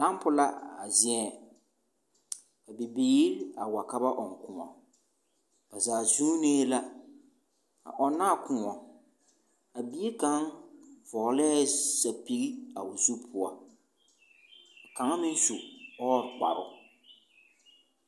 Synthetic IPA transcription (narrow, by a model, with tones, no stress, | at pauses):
la˦m˦pʊ˦la˦a̰˨zɪ̃˦ɛ˨ | a˨bɪ˨biː˦ɾa˨wa˨ka˦ba˦ʔɔ˨ŋ˨kʊ˨ŋɔ˨ | a˨zaː˨zuː˦ne˦la˦ | a̰˨ʔɔ˨nːa˦˨kʊ˨ŋɔ˨ | a˨bi˦e˦ka˨˦ŋvɔ˨˦lɛː˦˨sa˨pi˦ɣi˦a̰˨ʊ˨zu˦pʰʊ˨a˨ | a˨ka˨˦ŋa˦mɪ̃˦n˦su˨ɔː˦˨ɾk͡pa̰˨ɾʊ˦